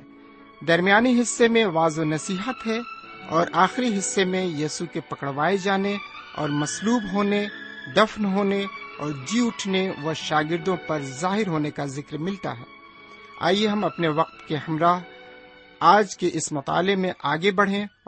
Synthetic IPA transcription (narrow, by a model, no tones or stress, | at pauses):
d̪ɐɾmijaːniɦɪsːemẽʋaːzonɐsiːɦət̪ɦɛɔːɾʔaːxɪɾiɦɪsːemẽjiːsukepɐkəɽʋaːed͡ʒaːne | ɔ̰ːɾmɐsluːbɦoːned̪ɐfnɦoːneɔːɾd͡ʒiʊʈʰneʋɐʃaːɡɪɾd̪õpɐɾzaːɦɪɾɦoːnekazɪkɾmɪlt̪a̰ɦɛ̰ː | a̰ːieɦɐmɐpneʋɐq̚t̪kehɐmɾaːɦ | aːd͡ʒkeʔɪsmɐt̪a̰ːlemẽʔaːɡebɐɽ̤ẽ